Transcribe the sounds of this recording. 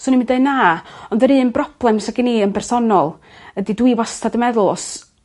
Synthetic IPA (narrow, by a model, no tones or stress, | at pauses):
sɔnimɪndeɨnaːɔnðəɾɨːnbrɔb̥lˠɛmsaɡiniːənpʰɛrsɔnɔlˠ | ədidwiwastʰadəmɛðʊlˠɔs